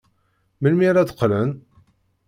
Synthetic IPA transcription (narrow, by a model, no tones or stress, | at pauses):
məlmiɾæd̪ə̥qːlən